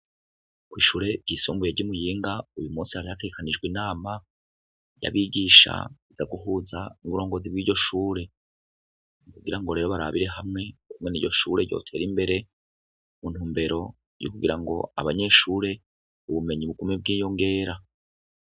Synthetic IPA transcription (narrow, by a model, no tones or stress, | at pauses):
kwiːʃuːɾe̞ɟisoːmbujeɾɟumujiːŋɡaujumuːnsihaɾihateɡekanid͡ʒɡwiːnaːma | ja̰βiɡiʃa̰iz̥aɡuɦuːzanuβuɾo̞ːŋɡo̞zibɡiːɟo̞ʃuːɾe̞ | ikuɡiɾaŋɡo̞ɾeːɾo̞βaɾa̰βiɾe̞ɦamŋe̞kumŋe̞niːɟo̞ʃuːɾe̞ɟo̞̰ːtʰe̞ːɾimbe̞ɾe̞ | mun̥huːmbe̞ɾo̞ | jṵkuɡiɾaŋɡo̞̰a̰βaɲe̞ʃuːɾe̞ | uβume̞ɲiβuɡumeb̚ɡiːjo̞ŋɡe̞ːɾa